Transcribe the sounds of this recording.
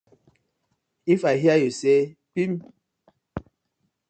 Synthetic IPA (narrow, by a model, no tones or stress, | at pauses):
ifaɦiajosɛpim